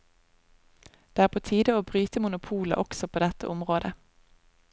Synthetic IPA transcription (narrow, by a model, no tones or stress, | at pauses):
d̪̥eːæːʁpʰoːt̪ʰiːd̪əoːbʁyːt̪əmʊnʊpʰuːlə̰ʔɔksɔpʰoːd̪ɛt̪ə̰ʔɔmʁoːd̪ə